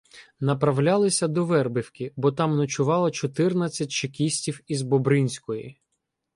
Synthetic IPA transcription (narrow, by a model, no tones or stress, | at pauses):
nɐpɾɐwlʲalˠɪsʲɐd̪ɔʋɛrbɪwkʲɪbɔt̪ɑmnɐt͡ʃʊʋɑlˠɐt͡ʃɔt̪ɪrnɐt͡sʲːɐt̚ʲt͡ʃɪkʲisʲtʲiwizbɔbɾɪnʲsʲkɔjḭ